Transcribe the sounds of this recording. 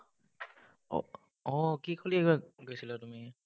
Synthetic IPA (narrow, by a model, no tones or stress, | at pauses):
ɔ̰ | ɔkikʰoliɛɡaɡojsilɛtumi